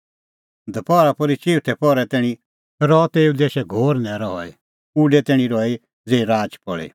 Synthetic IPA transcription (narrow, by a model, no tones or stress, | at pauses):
d̪ʱɐpɔːɾapɔɾit͡ʃiːʈʰɛpɔɾɛt̪ɛːɽ̃i | ɾɔt̪eːud̪eːʃɛɡʱoːɾnɛ̃ɾɔɦɔi | uɖɛt̪ɛːɽ̃ĩɾɔi | d͡zeːiɾaːd͡ʒpɔɭḭ